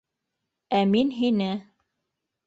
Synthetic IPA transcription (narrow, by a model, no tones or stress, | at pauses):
æminɦinɘ